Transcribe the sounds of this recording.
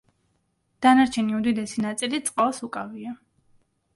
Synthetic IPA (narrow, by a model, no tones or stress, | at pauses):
d̪̥anaɾt͡ʃʰɛniud̪id̪ɛsinat̪sʼilit̪sʼqʼalˠsukʼavia